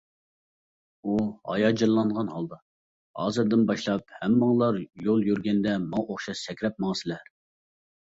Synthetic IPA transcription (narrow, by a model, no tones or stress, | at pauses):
uhɑ̰jɑd͡ʒɨllːˠɑnʁɑnhɑlˠd̪ɑ | hɑ̰ːzɨɾd̪ɪnbɑʃlˠɑp̚hɛmːɑŋlˠɑɾjolˠjyɾɡʲɛnd̪ɛmɑŋʔoχʃɑʃsɛkʲɾɛp̚mɑʁsɪlæ